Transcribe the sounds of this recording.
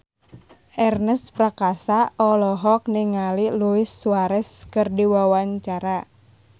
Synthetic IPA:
ʔɛrnəspɾakasaʔɔlɔɦɔk̚niŋaliluɪsːuaɾɛskərdiwawaɲt͡ʃaɾa

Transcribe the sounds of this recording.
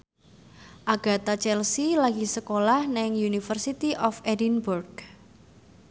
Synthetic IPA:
ʔaɡ̥a̤t̪at͡ʃɛlsilaɡisəkolahnaɪŋjunifərsit̪iʔɔfɛdinburɡ

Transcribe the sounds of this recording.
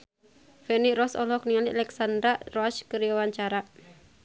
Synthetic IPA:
fɛniɾɔsɔ̰lɔk̚niŋaliʔalɛksand̪ɾarɔaskəɾiwawaɲt͡ʃaɾa

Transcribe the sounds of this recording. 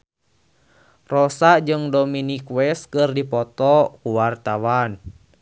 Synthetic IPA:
rɔsad͡ʒɨŋdɔminikwɛskɨrdipɔt̪ɔkuwart̪awan

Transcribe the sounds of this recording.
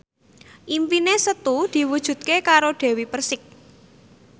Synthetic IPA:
ʔimpinesət̪ud̪̥i̤wud̥ʒ̥ṳt̪̚kekaɾoɖ̥e̤wipərsɪk̚

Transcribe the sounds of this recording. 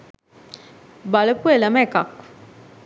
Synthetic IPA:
baləpueləmɛkak

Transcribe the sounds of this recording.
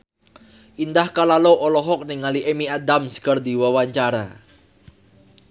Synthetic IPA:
ʔind̪ahkalaloʔɔlɔɦɔk̚nɪŋːaliʔemiad̪amsə̥kərd̪iwawaɲt͡ʃaɾa̰

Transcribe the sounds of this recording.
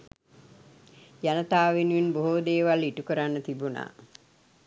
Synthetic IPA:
janət̪aːʋenujinboɦod̪eːʋaliʈukəɾanːət̪ibuna̰ː

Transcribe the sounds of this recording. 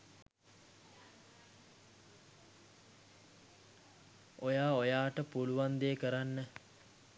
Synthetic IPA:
ojaːojaːʈəpuluʋand̪eːkəɾanːə

